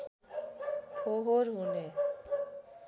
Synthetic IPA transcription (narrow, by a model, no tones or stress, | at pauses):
hoɦoɾɦune